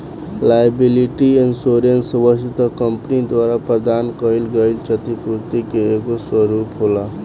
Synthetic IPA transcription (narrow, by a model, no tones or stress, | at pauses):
lajbiliʈiensoɾensəbəsit̪əkəmpnid̪waɾapɾəd̪ankəilɡəilt͡ʃət̪ipuɾt̪ikeːɡoswəɾupɦola